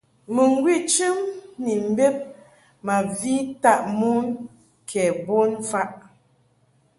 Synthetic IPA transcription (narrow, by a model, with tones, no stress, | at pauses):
mə˨ŋ˦ɡwi˦˨t͡ʃɨ˦mni˨m̩˨be˦p̚ | ma˨vi˦ta˦ʔmu˦n | kʰɛ˨bo˦nfa˦ʔ